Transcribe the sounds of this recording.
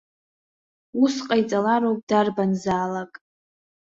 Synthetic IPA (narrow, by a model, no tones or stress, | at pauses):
usqʼajt͡sʼalaɾowpʼdarbanzaːlakʼ